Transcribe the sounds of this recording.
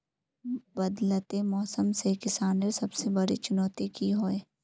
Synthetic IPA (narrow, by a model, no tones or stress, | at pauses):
bɐd̪lət̪emɔːsəmsekɪsaːnesɐbsebɐɽḭt͡ʃʊnɔːt̪ikiɦoːeː